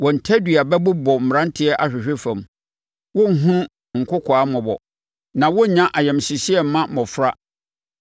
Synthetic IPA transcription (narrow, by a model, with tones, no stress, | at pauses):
wɔ̃˨n̩˨tʰɛ˦dɥa˨bɛ˦bʊ˦bɔ˨m̩˨ɾã˦n˦tʰɪ˦ɛ˦ʔa˨ɕᶣɪ˨ɕᶣɪ˦fã˨m | wʊ˦ŋ̩˨ɦũ˦ | ŋ̩˨kʰʊ˦kʰɔ˨a˦mɔ̃˨bɔ̰˨ | nã˨wɔ˦˨ɲã˦ʔa˨jɛ̃˨m˨ɕi˨ɕi˦ɛ˨m˦mã˦mɔ̃˨fɾa˦